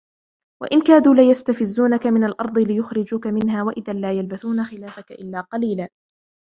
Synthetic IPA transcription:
wa̰ʔɪnkaːd̪uːlɪjast̪afɪzːuːnakamɪnalʔɑɾˤd̪ˤɨlɪjʊxɾɪd͡ʒʊkamɪnɦaːwaʔɪðanlaːjalbaθuːnaxɪlaːfakaʔɪlːaːqɑliːlaː

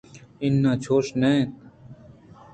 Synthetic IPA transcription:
ɪnːãːt͡ʃʰoːʃneːt̪

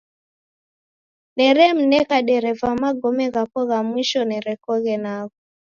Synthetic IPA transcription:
nɛɾɛm̩nɛkaɗɛɾɛvamaɡɔmɛɣapɔɣamwiʃɔnɛɾɛkɔɣɛnaɣɔ

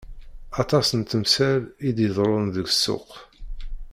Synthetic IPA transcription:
ɑt̪ˤɑsənt̪əmsæɾid̪jəðˤɾˤʊnðəɡsːʊ̰q

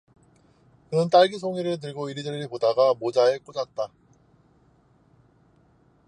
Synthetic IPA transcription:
kɯnɯnt͈aɭɡisʰoŋiɾɯɭt̬ɯɭɡoiɾidʌɾipodaɡamod͡ʑae̞k͈od͡ʑat̚t͈a

